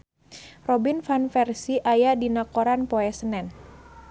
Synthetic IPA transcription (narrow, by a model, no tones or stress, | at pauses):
rɔbinfanfɛrsiʔajadinakoɾanpɔɛsənɛn